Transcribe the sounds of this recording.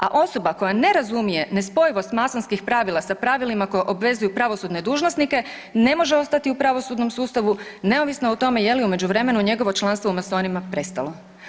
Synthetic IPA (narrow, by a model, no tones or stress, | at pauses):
a̰ʔo̞so̞bako̞jane̞ɾazumije̞ne̞spo̞jiʋo̞st̪masonskixpɾaʋilˠasapɾaʋilimako̞jeʔo̞bʋe̞zujupɾaʋo̞sud̪ne̞d̪uːʒnosnike̞ | ne̞mo̞ʒeo̞st̪at̪iupɾaʋo̞sud̪no̞msuːst̪aʋune̞oʋisnaot̪o̞me̞je̞liume̞d͡ʑuʋɾe̞me̞nuɲe̞ɡo̞ʋo̞t͡ʃlˠanst̪ʋo̞umaso̞ːnimapɾe̞st̪alo